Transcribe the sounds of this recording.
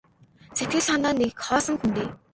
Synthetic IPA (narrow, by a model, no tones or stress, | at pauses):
t͡sʰet̪ɡɘ̆ɮanaːnːekχɔːsə̆ŋxunt̪eː